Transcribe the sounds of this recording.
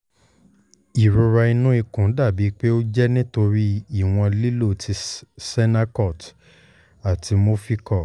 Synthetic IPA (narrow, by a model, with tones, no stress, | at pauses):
i˨ɾu˧ɾa˧i˧nũ˦i˧kũ˨˦da˦˨bi˨˦k͡pe˦o˦d͡ʒɛ˦nĩ˦to˧ɾi˦i˦˨w̃ɔ̃˧li˦lo˦˨ti˧sɛ˦na˦kɔ˦˨t | a˨tʰi˧mo˦fi˦kɔ˦˨